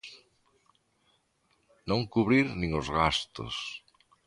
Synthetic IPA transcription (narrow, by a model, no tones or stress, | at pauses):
nõŋkuβɾiɾnĩŋʊzɣast̪o̰s